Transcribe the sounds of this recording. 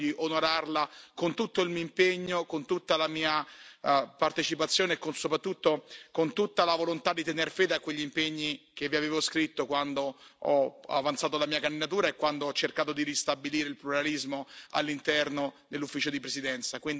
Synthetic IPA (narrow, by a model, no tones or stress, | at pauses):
iʔonoɾarlakont̪ut̪ːoilmioimpeɲːokont̪ut̪ːalamiːa | part̪et͡ʃipat̪sːjoːneːkːonsopɾat̪ːut̪ːokont̪ut̪ːalavolont̪ad̪ːit̪enerfeːd̪eakːweʎːimpeɲːikevːiaveːvoskɾit̪ːokwand̪oɔa̰vant̪saːt̪̬olamiːakand̪id̪at̪̬uːɾaekːwand̪oɔt͡ʃːerkaːt̪od̪iɾist̪abiliːɾeilpluɾalizmoa̰lːint̪ɛrnod̪elːufːiːt͡ʃod̪ipɾesid̪ɛnt̪sakwind̪